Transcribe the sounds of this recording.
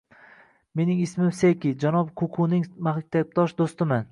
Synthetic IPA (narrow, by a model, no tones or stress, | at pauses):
me̞nɪŋɪsmɪmsejkʲɪd͡ʒanɒbqʰʊqʰʊnɪŋmahk̚ʲt̪ʰab̚t̪ɒʃd̪ost̪ɪman